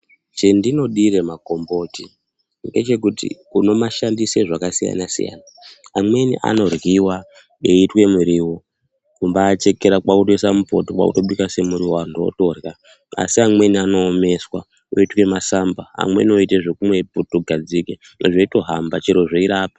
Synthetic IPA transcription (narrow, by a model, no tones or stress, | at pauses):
t͡ʃendino̞ɗiremako̞mbo̞ːti | ŋɡe̞t͡ʃe̞kutḭ | uno̞maʃandiseʐakasija̰nasḭja̰naː | mwe̞nḭʔa̰no̞rɣiwa | eitwe̞muɾiwo̞ | kumbaːt͡ʃe̞ke̞ɾakwauto̞isamupo̞tokwa̰ṵto̞ɓikase̞muriwoando̰to̞rɣa | a̰siamwe̞niano̞ːme̞swa | oitwe̞masamba̰ːmwe̞̰nio̞iteʐekumwe̞potoɡʱad͡zike | oʐoito̞ɦambat͡ʃiɾoʐoiɾaːpa